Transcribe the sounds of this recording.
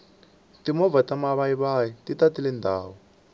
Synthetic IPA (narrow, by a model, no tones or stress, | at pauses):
timɔvatamaβaiβajititatilɛndʱa̰ːwɔ